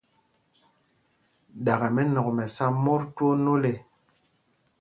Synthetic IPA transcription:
ɗa˨ɣe˨mɛ˦nɔ˨kmɛ˨sa˦mo˦ɾtwo˦no˦le˨

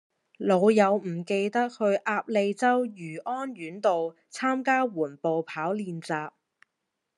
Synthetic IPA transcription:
lo˨˧wjɐ˨˧wm̩˨˩ke˧jt̪ɐ˥k̚hɵ˧ɥʔaː˧p̚le˧jt͡sɐ˥wjyː˨˩ʔɔː˥njyː˨˥nt̪o˨w | t͡sʰaː˥mkaː˥wuː˨˩npo˨wpʰaː˨˥wliː˧nt͡saː˧p̚

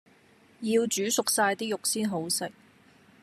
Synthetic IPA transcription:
jiː˧wt͡ʃyː˨˥sʊ˨k̚saː˧jt̪iː˥jʊ˨k̚siː˥nɦo˨˥wsɪ˨k̚

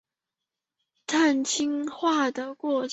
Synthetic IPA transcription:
t̪ʰa˥˩nt͡ɕʰi˥ŋxwa˥˩d̪ə˩kwɔ˥˩t͡ɕ

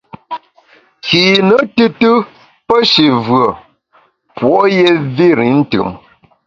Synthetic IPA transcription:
kiː˨nə˦tɨ˦tɨ˦ | pə˦ʃi˨vɰə˨ | pwɔ˨˦je˦vi˦ɾḭ˨˦n̩˦tɯ̰˨ŋ

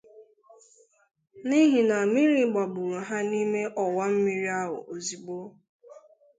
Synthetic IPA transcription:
ni˦ɦi˨na˨mi˦ɾi˨˦ɡ͡ba˨bʊ˨ɾu˨ɦa˦ni˦me˦ʔɔ˨wa˦m̩˦mi˦ɾi˦a˦ɦʊ̰˨ʔo˨zi˨ɡ͡bo˦

